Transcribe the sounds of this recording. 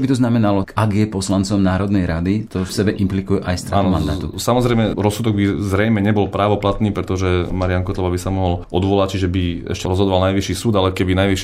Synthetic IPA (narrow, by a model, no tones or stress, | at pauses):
t͡ʃɔbit̪ɔznamɛnalɔaɡjɛpɔslant͡sɔmnaːɾɔd̪nɛjɾad̪it̪ɔfsɛbɛʔimplikujɛʔajst̪ɾa̰nmand̪a̰ːt̪ṵsamɔzɾɛjmɛɾɔsːud̪ɔɡ̚bizɾɛjmɛɲɛbɔlpɾaːʋɔplat̪niːpɾɛt̪ɔʒɛmaɾiaŋkɔt̪lɔʋabisamɔɦɔlɔd̪ʋɔlact͡ʃiʒɛbiɛ̰ʃcɛɾɔzɦɔd̪ɔʋalnajʋiʃiːsuːd̪alɛkɛbinajʋiʃ